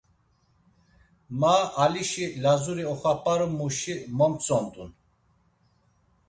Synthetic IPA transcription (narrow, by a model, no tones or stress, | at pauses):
maʔaliʃilazuɾiɔχapʼaɾumuʃimɔmt͡sʼɔnt̪ʼun